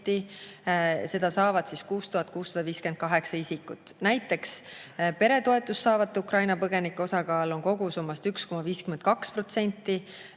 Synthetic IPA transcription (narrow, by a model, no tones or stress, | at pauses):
t̪ːi | se̞d̪̥ɑsɑːvɑd̪̥siskuːst̪uhɑt̪̚ːˑkuːsːɑd̪̥ɑviːske̞nt̪̚kɑɦe̞ksɑisikːˑut̪ːˑnæjt̪ːˑe̞kspe̞ɾe̞t̪o̞e̞t̪ːˑust̪ːɑːvɑt̪ːˑeukrɑjnɑpɤɡe̞nikːeo̞sɑkɑːlo̞ŋko̞ɡ̥usumːɑst̪yksko̞mɑviːskymend̪̥̚kɑkspro̞t̪se̞nʲt̪ːˑi